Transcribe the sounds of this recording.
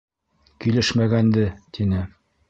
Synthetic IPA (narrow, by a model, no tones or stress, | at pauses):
kilɘʃmæɡænd̪ɘt̪inɘ